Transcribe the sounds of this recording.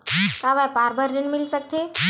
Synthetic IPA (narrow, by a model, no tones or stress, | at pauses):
kaʋajpaɾbəɾɾənmilsək̚t̪ʰe